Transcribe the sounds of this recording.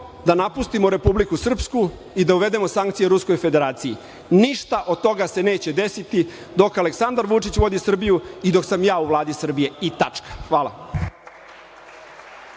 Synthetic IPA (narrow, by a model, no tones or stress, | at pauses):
d̪anapust̪imoɾe̞publikusr̩psku | id̪auʋe̞d̪e̞mo̞saŋkt̪sijeɾusko̞jfed̪e̞ɾaːt̪sijḭ | niʂt̪aʔo̞d̪̚t̪o̞ɡase̞ne̞ːt͡ɕe̞d̪e̞sit̪i | d̪o̞kale̞ksand̪aɾʋut͡ʂit͡ɕʋo̞d̪isr̩bijuid̪o̞ksamjaːuʋlˠaːd̪isr̩bije̞it̪at͡ʂkḁxʋaːla̰